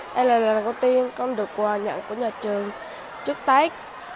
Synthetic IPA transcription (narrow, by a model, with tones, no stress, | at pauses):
ʔa˧laː˨˩laː˨˩nko˧˩wt̪i˧ənkɔ˧wŋ͡mɗɨ˨˩əkːwaː˨˩ɲa̰˧˨ŋku˧˩əɲaː˨˩t͡ɕɨ˨˩əŋ | t͡ɕɨ˦˥ək̚t̪a˦˥jk̚